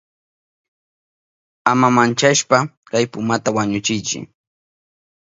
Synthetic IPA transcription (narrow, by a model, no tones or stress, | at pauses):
amamant͡ʃaʃpa | kajpʊmat̪awaɲʊt͡ʃɪjt͡ʃɪ̰